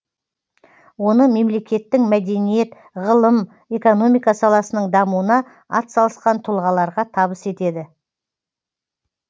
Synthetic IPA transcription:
wo̞nəme̞mle̞kʲe̞t̪ːɪŋmæd̪e̞nije̞t̪ | ʁəlˠəm | e̞ko̞no̞mijkɑsɑlˠɑsənəɴd̪ɑmuwənɑ | ɑt̪sɑlˠəsqɑnt̪ʰʊlˠʁɑlˠɑɾʁɑt̪ʰɑβəse̞t̪e̞d̪ɪ

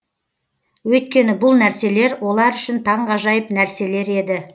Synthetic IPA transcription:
wɵjt̪̚kʲe̞nɪbʊlˠnæɾse̞le̞ɾwʔo̞lˠɑɾʏʃɪnt̪ʰɑɴʁɑʒɑjəpnæɾse̞le̞ɾe̞d̪ɪ

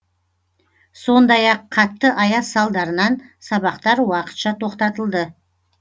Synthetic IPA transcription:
so̞nd̪ɑjɑqʰːɑt̪ːəʔɑjɑsɑlˠd̪ɑɾənɑnsɑβɑqt̪ɑɾwɑqə̥t̪ʃɑt̪ʰo̞qt̪ɑt̪əlˠd̪ə

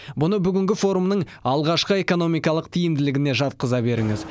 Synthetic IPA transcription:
bʊnəbʏɡʲɪŋɡʲɪfo̞ɾumnəɴ | ɑlˠʁɑʃqəe̞ko̞no̞mijkɑlˠəq̚t̪ʰijɪmd̪ɪlɪɡʲɪne̞ʒɑt̪̚qəzɑbe̞ɾɪŋɪz

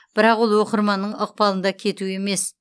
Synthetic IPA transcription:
b̥ɪɾɑqwo̞lˠwo̞qəɾmɑnːəɴəq̚pɑlˠənd̪ɑkʲʰe̞t̪ue̞me̞s

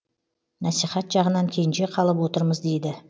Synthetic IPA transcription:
nɑsiχɑt̪ʒɑʁənɑŋkʲʰe̞jɪnʃe̞qʰɑlˠəpwo̞t̪əɾməzd̪e̞jd̪ɪ

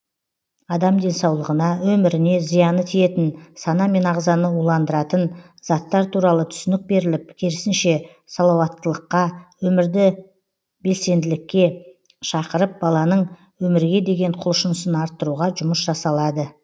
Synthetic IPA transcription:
ɑd̪ɑmd̪e̞nsɑwlˠəʁənɑwɵmɪɾɪne̞zijɑnət̪ʰije̞t̪ɪnsɑnɑme̞nɑʁzɑnəulˠɑnd̪əɾɑt̪ən | z̥ɑt̪ːɑɾt̪ʰuɾɑlˠət̪ʰʏ̥sɪnɪk̚be̞ɾɪlɪp̚kʲʰeɾɪsɪnʃe̞ | sɑlˠɑwɑt̪ːəlˠəqːɑwɵmɪɾd̪ɪ | be̞lse̞nd̪ɪlɪkʲːe̞ | ʃɑqəɾəp̚bɑlˠɑnəɴ | wɵmɪɾɡʲe̞d̪e̞ɡʲe̞ɴqʰʊlˠʃənəsənɑɾt̪ːəɾuʁɑʒʊməsʒ̥ɑsɑlˠɑd̪ə

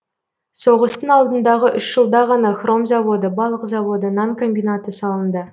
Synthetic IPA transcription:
so̞ʁəst̪əɴɑlˠd̪ənd̪ɑʁəʔʏʃʒ̥əlˠd̪ɑʁɑnɑχrʔo̞mzɑvo̞d̪əbɑlˠəqzɑvo̞d̪ənɑŋkʰo̞mbijnat̪əsɑlˠənd̪ə

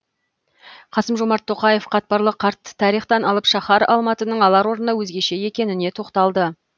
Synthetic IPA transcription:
qʰɑsəmʒomɑɾt̪ʰːo̞qɑje̞fqʰɑt̪̚pɑɾlˠəqʰɑɾt̪ːə̥ːɑɾijχt̪ɑnɑlˠəpʃɑχɑɾɑ̰lˠmɑt̪ənəɴɑlˠɑɾwo̞ɾənɑwɵzɡʲe̞ʃe̞je̞kʲe̞nɪne̞t̪ʰo̞qt̪ɑlˠd̪ə

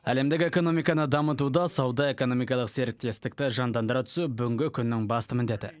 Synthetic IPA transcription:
æle̞md̪ɪkʲe̞ko̞no̞mijkɑnəd̪ɑmət̪ud̪ɑsɑwd̪ɑe̞ko̞no̞mijkɑlˠəqse̞ɾɪk̚t̪e̞st̪ɪk̚t̪ɪʒɑnd̪ɑnd̪əɾɑt̪ʰʏ̥subʏɡʲɪŋɡʲɪkʲʰʏnːɪŋbɑst̪əmɪnd̪e̞t̪ɪ

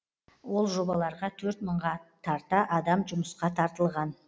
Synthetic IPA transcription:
wo̞lˠʒo̞bɑlˠɑɾʁɑt̪ʰɵɾt̪məɴʁɑt̪ʰɑɾt̪əʔɑd̪ɑmʒʊməsqɑt̪ʰɑɾt̪əlˠʁɑn

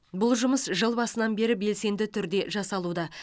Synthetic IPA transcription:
bʊlˠʒʊməsʒəlˠbɑsənɑnbe̞ɾɪbe̞lse̞nd̪ɪt̪ʰʏɾd̪e̞ʒɑsɑlˠud̪ɑ

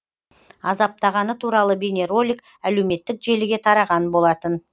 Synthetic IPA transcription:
ɑzɑp̚t̪ɑʁɑnət̪ʰuɾɑlˠəbʲenʲe̞ɾo̞lʲik̚ | æle̞wme̞t̪ːɪkʒe̞lɪɡʲe̞t̪ʰɑɾɑʁɑnbo̞lˠɑt̪ən

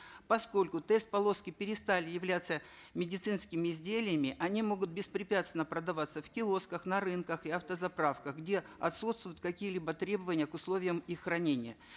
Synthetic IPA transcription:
pɐsko̞lʲkʊt̪ɛst̪̚pɐlˠo̞skʲɪpʲɪɾʲɪst̪alʲɪjɪvlʲat̪sːə | mʲɪdʲɪt̪sɨnskʲɪmʲɪːzʲdʲelʲɪjəmʲɪʔɐnʲimo̞ɡʊt̪̚bʲɪspɾʲɪpʲat̪st̪vʲɪnəpɾəd̪ɐvat̪səfkʲɪoskəxnɐɾɨnkəxɪɐft̪əzɐpɾafkəxɡdʲe̞ɐt̪sut̪st̪vʊjʊt̪̚kɐkʲijəlʲibət̪ɾʲe̞bəvənʲɪjəkʊslˠo̞vʲɪjəmixːrɐnʲenʲɪjə

